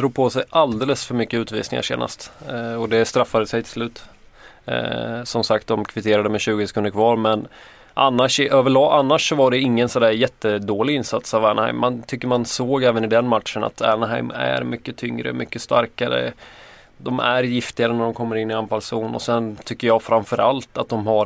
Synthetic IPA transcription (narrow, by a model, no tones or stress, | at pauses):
d̪ɾuːɡ̚pʰɔsɛjʔald̪eːləsfœɾmʏkːəʉ̟ːt̪vḭːsnɪŋa̰ʂḛːna̰st̪ɔd̪ɛst̪ɾafːad̪əsɛjt̪ʰɪ̥lslʉ̟ːt̪ | sɔmsak̚t̪̚d̪ɔmkʰvɪt̪ʰeːɾad̪əmɛɕʉ̟ːɡəsɛkʰɵnəɾkʰvɑːɾmɛn | ʔanːaʂʔøːvəɭɑːʔanːaʂːɔvaɖɛɪŋːənsɔnd̪æːɾjɛt̪ːəd̪oːlɪɪnsat̪savæːɳha̰ɪjmːant̪ʰʏkːəɾmansoːɡɛːvənɪd̪ɛnmat̪ʂəna̰t̪æ̰ɳaɦaɪmæ̰ɾmʏkːət̪ʰʏŋɾə̰mʏkːəst̪aɾkaɾə̰ | d̪ɔmæɾjɪft̪ɪɡaɾənæɖɔmkʰɔmːəɾɪnːɪamfalsuːnɔ̰sɛnt̪ʰʏkːəɾjɑːfɾamfœɾʔalt̪at̪̚d̪ɔmhaɾ